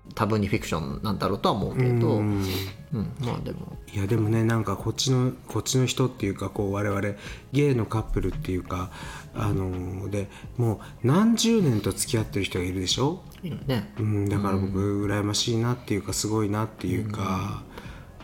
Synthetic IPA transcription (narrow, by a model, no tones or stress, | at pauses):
t̪ʰabɯ̟ɲ̟ːiɸʲikɯ̟̥ɕõ̞̰nːãnd̪aɾo̞ːt̪o̞amo̞̰ɯkkɯ̟̃ːd̪oɯ̃ | ɯ̟̃ɴma̰ːd̪e̞̰mo̰jad̪e̞mo̞ne̞nãŋkako̞t͡ɕːino̞kʰo̞t͡ɕːino̞çi̥t̪ot̪ːe̞jɯ̟ːkako̞ːβaɾe̞βaɾe̞ɡe̞ːno̞kapːɯ̟ɾɯ̟t̪ːe̞jɯ̟ka̰ː | no̞d̪e̞mo̞ː | nãɲ̟d͡ʑɨːnẽ̞nt̪o̞t͡sɨ̥kʲiat̪ːe̞ɾɯ̟çi̥t̪o̞ɡaiɾɯ̟d̪e̞ɕo̞ː | iɾɯne̞ɯ̟̃ɴd̪akaɾabo̞kɯ̟ɯ̟ɾajemaɕiːnat̪ːe̞jɯ̟kasɨɡo̞inat̪ːe̞jɯ̟ːka